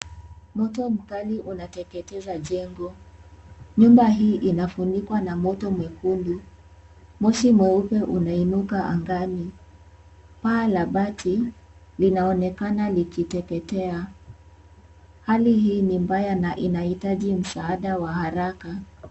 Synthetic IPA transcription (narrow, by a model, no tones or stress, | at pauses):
mɔtɔm̩kaliʔunatɛkɛtɛzaʄɛŋɡɔ | ɲumbaɦiːʔinafundikwanamɔtɔmwɛkundu | mɔʃimwɛupɛʔunainukaʔa̰ŋɡani | palaɓatʰilinaɔnɛkanalikitɛkɛtɛa | halihiːnimbajanaʔinahitaʄim̩saːɗawahaɾaka